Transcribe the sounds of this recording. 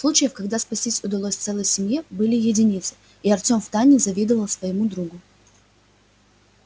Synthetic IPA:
sˠut͡ɕɪjəfkɐɡd̪aspɐsʲtʲisʲʊd̪ɐlˠosʲt̪sɛlˠəjsʲɪmjebɨlʲɪjɪdʲɪnʲit̪sɨ̥ | iɐrtʲo̞mft̪anʲːɪzɐvʲid̪əvəlˠsvəjɪmud̪ɾuɡʊ

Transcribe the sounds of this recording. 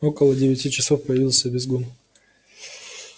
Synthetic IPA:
o̞kəlˠədʲɪvʲɪtʲit͡ɕɪso̞fpəjɪvʲilˠsʲəbʲɪzɡun

